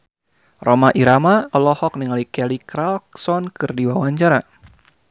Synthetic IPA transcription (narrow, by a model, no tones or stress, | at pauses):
romaʔiɾamalɔhɔk̚niŋalikɛlikɾalksɔnkɨrdiwawaɲt͡ʃaɾa